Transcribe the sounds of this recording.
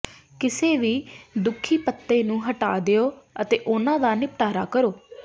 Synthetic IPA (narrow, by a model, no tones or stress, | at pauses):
kɪseːʋiːd̪ʊkʰːiːpət̪ːeːnũːɦəʈaːd̪ɪoːət̪eːʔʊnãːd̪aːnɪp̚ʈaːɾaːkəɾoː